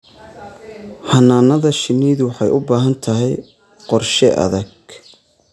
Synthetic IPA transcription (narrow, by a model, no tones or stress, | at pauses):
hɐnːaːnɐðɐʃɪnːiːðwɑħɑjʔʊbaːɦɐnt̪ʰɐɦɛj | qɔrʃɛʔɐ̰ðɐɡ